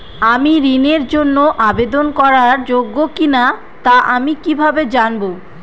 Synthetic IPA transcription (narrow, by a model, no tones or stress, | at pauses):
amiɾineɾd͡ʑonːoʔabed̪onkɔɾaɾd͡ʑoɡːokina | t̪aʔamikibʱabed͡ʑanbo